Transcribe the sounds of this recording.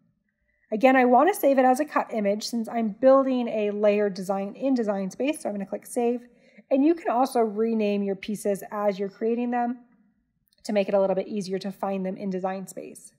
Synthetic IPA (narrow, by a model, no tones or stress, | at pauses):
ɨɡɛ̃ɾ̃aɪwɑ̃ntʰɨseɪvɨɾɨzɨkʰʌɾʔɪ̃mɪd̥ʒ̥sɪ̃nsã̰ɪ̃mbɪlˠdɪ̃ŋɨleɪə˞dɨzãɪ̃nɪ̃ndɨzãɪ̃nspeɪsːoʊaɪ̃mɡʌnəɨkʰl̥ɪkseɪv | ɨ̃njɨkʰɨ̃nɔlˠsoʊɹinẽɪ̃mjə˞pʰisɪzəzjə˞kʰɹ̥ieɪɾɪ̃ŋðɨ̃m | tʰɨmeɪkɨɾəlɪɾl̩ˠbɪɾʔiziə˞ɾɨfãɪ̃nðɨ̃mʔɪ̰̃ndɨzãɪ̃nspḛɪs